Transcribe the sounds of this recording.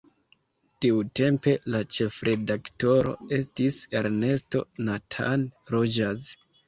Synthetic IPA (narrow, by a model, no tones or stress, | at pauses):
tiute̞mpe̞lat͡ʃe̞fɾʔe̞dakto̞ɾo̞̰e̞stise̞ɾne̞sto̞̰natʰa̰nɾod͡ʒaz